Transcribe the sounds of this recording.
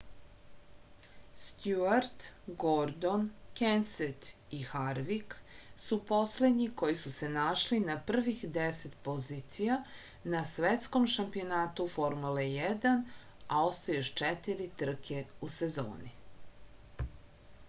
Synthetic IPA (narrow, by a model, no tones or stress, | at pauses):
st̪juaɾt̪ɡoɾd̪onkenset̪ixaɾʋiksupo̞sled̪ɲiko̞jisuse̞naʃlinapr̩ʋixd̪eset̪po̞zit̪sija | nasʋet̪skomʃampio̞naːt̪ufo̞ɾmulejɛd̪an | ao̞st̪ajoʃt͡ʃɛt̪iɾit̪r̩kʰeusezo̰ːni